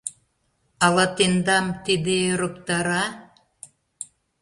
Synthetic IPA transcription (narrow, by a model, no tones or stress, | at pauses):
ɑlɑt̪end̪ɑmt̪id̪eɾŏkt̪ɑɾɑ